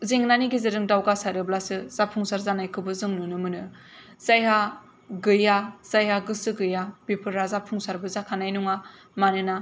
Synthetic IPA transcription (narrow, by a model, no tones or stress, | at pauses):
zeŋnaniɡizɯɾɯŋdawɡasaɾɯblasɯz̥apʰuŋsaɾzanajkʰɯbɯzɯŋnɯnɯmɯnɯ | z̥ajɦa | ɡɯjaz̥ajɦaɡɯsɯɡɯjabipʰɯɾazapʰuŋsaɾbɯzakʰanajnuŋa | manɯna